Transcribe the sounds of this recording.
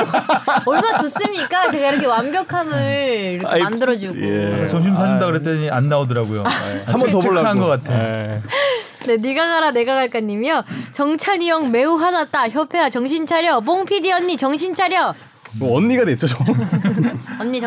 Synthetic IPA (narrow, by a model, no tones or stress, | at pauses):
ʌɭmat͡ɕos͈ɯɲik͈at͡ɕe̞ɡaiɾʌkʰe̞wambjʌkʰamɯɭiɾʌkandɯɾʌd͡ʑiɡeakat͡ɕʌŋɕʰimsʰaɲindakɯɾet͈eianːaodɯɾaɡojo̰aamʌtoɭːanɡʌk͈atʰeo | ne̞niɡaɡaɾane̞ɡaɡaɭk͈aɲːimjʌt͡ɕʌŋt͡ɕʰanijʌŋme̞uɦanat̚t͈açjʌpʰe̞wat͡ɕʌŋɕʰint͡ɕʰaɾjʌboŋpʰidiʌnːit͡ɕʌŋɕ̬ʰint͡ɕʰaɾjʌ | ʌnːiɡadet͡ɕ͈ot͡ɕom | ʌnːiʌ